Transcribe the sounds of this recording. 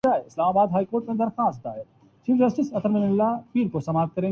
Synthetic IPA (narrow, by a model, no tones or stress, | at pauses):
aːeɪslaːmaːbaːd̪ɦaːikoːɾʈmẽd̪ɐɾxaːst̪d̪a̰ːe | t͡ʃiːʋd͡ʒɐsʈɪsɐt̪əɾmenɪlːapiːɾkosɐmaːt̪̚kɐɾẽː